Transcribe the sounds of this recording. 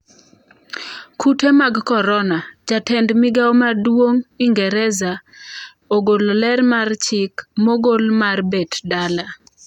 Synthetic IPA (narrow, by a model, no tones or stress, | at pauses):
kʰutemaɡkɔɾɔnad͡ʒatɛndmɪɡawɔmadwoŋiŋɡɛɾɛza | oɡollɛrmart͡ʃɪkmoɡolmarbɛtdala